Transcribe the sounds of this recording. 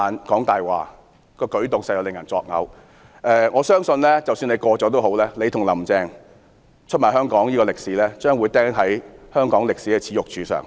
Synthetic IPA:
aː˨nkɔː˨˥ŋt̪aː˨jwa̰ː˨ | kɔː˧kɵ˨˥ɥt̪ʊ˨ŋsɐ˧jɐ˨˧wlɪ˨˩ŋjɐ˨˩nt͡sɔː˧k̚ŋɐ̰˨˧w | ʔɛː˨˧ŋɔː˨˧sœː˥ŋsɵ˧nlɛː˥t͡sɐ˨wsyː˧ne˨˧jkɔː˧t͡sɔː˨˥t̪o˥who˨˥wlɛː˥le˨˧jt̪ʰʊ˨˩ŋlɐ˨˩mt͡sɛː˧ŋ | t͡ʃʰɵ˥t̚maː˨˩ɦœː˥ŋkɔː˨˥ŋjiː˥kɔː˧lɪ˨k̚siː˨˥lɛː˥t͡ʃœː˥ŋwu˨˧jt̪ɛː˥ŋɦɐ˨˥jhœː˥ŋkɔː˨˥ŋlɪ˨k̚si˨˥kɛ˧t͡sʰiː˨˥jʊ˨k̚t͡ʃyː˨˥sœ̰ː˨˩ŋ

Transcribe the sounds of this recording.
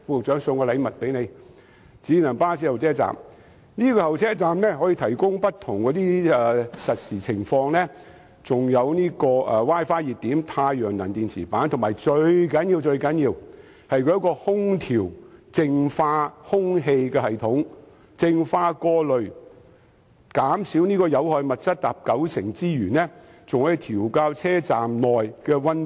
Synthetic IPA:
fuː˧k̚t͡ʃœː˨˥ŋsʊ˧ŋkɔː˧lɐ˨˧jmɐ˨t̚pe˨˥jne˨˧j | t͡siː˨˥nɐ˨˩ŋpaː˥siː˧˥hɐ˨wt͡sʰɛː˥t͡sa̰ː˨m | niː˥kɔː˧hɐ˨wt͡sʰɛː˥t͡saː˨mnɛː˥ɦɔː˨˥jiː˧t̪ʰɐ˨˩jkʊ˥ŋpɐ˥t̚t̪ʰʊ˨˩ŋkɔː˨˥t̪iː˥ɛː˨˧sɐ˨t̚siː˨˩t͡sʰɪ˨˩ŋfɔː˧ŋlɛː˥ | t͡sʊ˨ŋjɐ˨˧wniː˥kɔː˧ʔɛː˨˧waː˥jfaː˥jiː˨t̚t̪iː˨˥mt̪ʰaː˧jjœː˨˩ŋnɐ˨˩nt̪iː˨nt͡sʰiː˨˩paː˨˥nt̪ʰʊ˨˩maː˨˩jt͡ʃɵ˧ɥkɐ˨˥njiː˧wt͡ʃɵ˧ɥkɐ˨˥njiː˧w | hɐ˨jkʰɵ˧jɐ˧˥kɔː˧hʊ˥ŋt̪ʰiː˨˩wt͡sɪ˧ŋfaː˧hʊ˥ŋɦe˧jkɛː˧hɐ˨jt̪ʰʊ˨˥ŋ | t͡sɪ˧ŋfaː˧kɔː˧lɵ˨ɥ | kaː˨˥msi˨˥wniː˥kɔː˧jɐ˨˧whɔː˧jmɐ˨t̚t͡sɐ˥t̚t̪aː˨p̚kɐ˨˥wsʰɪ˨˩ŋt͡siː˥jyː˨˩nɛː˥t͡sʊ˨ŋhœ˨˥˧t̪ʰiː˨˩wkaː˧wt͡sʰɛː˥t͡saː˨mnɔː˨jkɛː˧wɐ˥n

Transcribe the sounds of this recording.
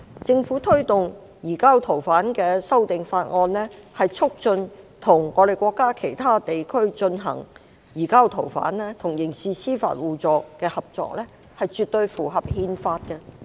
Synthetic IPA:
t͡sɪ˧ŋfuː˨˥t̪ʰɵ˥ɥt̪ʊ˨ŋ | jiː˨˩kaː˥wt̪ʰo˨˩wfaː˨˥nkɛː˧sɐ˥wt̪ɪ˨ŋfaː˧t̚ŋɔː˧nlɛː˥hɐ˨jt͡sʰʊ˥k̚t͡ʃɵ˧nt̪ʰʊ˨˩ŋɔː˨˧ɾe˨jkʷɔː˧kːaː˥kʰe˨˩jt̪ʰaː˥t̪e˨jkʰɵ˥ɥt͡ʃɵ˧nɦɐ̰˨˩ŋ | jiː˨˩kaː˥wt̪ʰo˨˩wfa̰ː˨˥nlɛː˥t̪ʰʊ˨˩ŋjɪ˨˩ŋsiː˨˧sʰiː˥fa̰ː˧t̚wuː˨t͡sɔː˨˧kːɛː˧hɐ˨p̚t͡ʃɔ̰ː˧k̚lɛː˥ | hɐ˨jt͡ʃyː˨t̚t̪ɵ˧ɥfuː˨˩ɦɐ˨p̚hiː˧nfaː˧t̚kɛ˧

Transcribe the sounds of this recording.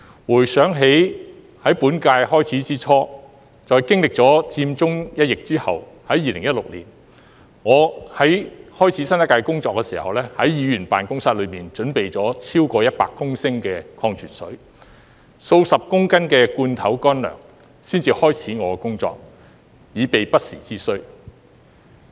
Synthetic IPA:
wuː˨˩jsœː˨˥ŋɦe˨˥j | hɐ˨˥jpuː˨˥nkaː˧jhɔː˥jt͡sʰiː˨˥t͡siː˥t͡sʰɔː˥ | t͡sɔː˨jkɪ˥ŋlɪ˨k̚t͡sɔː˨˥t͡siː˧mt͡sʊ˥ŋjɐ˥t̚jɪ˨k̚t͡siː˥hɐ̰˨w | hɐ˨˥jiː˨˧lɪ˨˩ŋjɐ˥t̚lʊ˨k̚lḭː˨˩n | ŋɔː˨˧hɐ˨˥jhɔː˥jt͡sʰiː˨˥sɐ˥na˥kaː˧jkʊ˥ŋt͡sɔː˧kːɛː˧sḭː˨˩hɐ˨wlɛː˥hɐ˨˥jjiː˨˧jyː˨˩npa̰ː˨nkʊ˥ŋsa˧t̚lɵ˨˧ɥmiː˨nt͡ʃɵ˨˥npe˨jt͡sɔː˨˥t͡sʰiː˥wkɔː˧jɐ˥t̚pa̰ː˧kːʊ˥ŋsɪ˥ŋkɛː˧kʰɔː˧ŋt͡ʃʰyː˨˩nsɵ˨˥ɥ | so˧wsɐ˨p̚kʊ˥ŋkɐ˥nkɛː˧kuː˧nt̪ʰɐ˨˥wkɔː˥nlœ̰ː˨˩ŋ | siː˥nt͡siː˧hɔː˥jt͡sʰiː˨˥ŋɔː˨˧kʊ˥ŋt͡sɔ̰ː˧k̚ | jiː˨˧pe˨jpɐ˥t̚sḭː˨˩t͡siː˥sɵ˥ɥ

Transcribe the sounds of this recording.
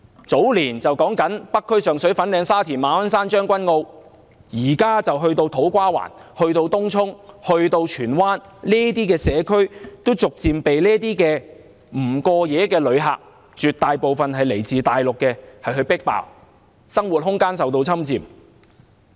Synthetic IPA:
t͡so˨˥wliː˨˩nt͡sɐ˨wkɔː˨˥ŋkɐ˨˥npɐ˥kʰːɵ˥ɥsœː˨ŋsɵ˨˥ɥfɐ˨˥nlɛː˨˧ŋsaː˥t̪ʰiː˨˩nmaː˨˧wɐ˥nsaː˥nt͡ʃœː˥ŋkʷɐ˥nŋo˧w | jiː˨˩kaː˥t͡sɐ˨wɦɵ˧ɥt̪o˧wt̪ʰo˨˥wkʷaː˥wa̰ː˨˩nhɵ˧ɥt̪o˧wt̪ʊ˥ŋt͡sʰʊ˥ŋhɵ˧ɥt̪o˧wt͡ʃʰyː˨˩nwaː˥nliː˥t̪iː˥kɛː˧sɛː˨˧kʰɵ˥ɥt̪o˥wt͡sʊ˨k̚t͡siː˨mpe˨jliː˥t̪iː˥kɛː˧ | m̩˨˩kɔː˧jɛː˨˧˥kɛː˧lɵ˨˧ɥɦa̰ː˨˩k̚ | t͡ʃyː˨t̪̚aː˨jpo˨wfɐ˨nɦɐ˨jle˨˩jt͡siː˨t̪aː˨jlʊ˨kːɛː˧hɐ˨jɦɵ˧ɥpɪ˥k̚pa̰ː˨w | sɐ˥ŋwu˨t̚hʊ˥ŋkaː˥ns̬ɐ˨wt̪o˧wt͡sʰɐ˥mt͡siː˨m

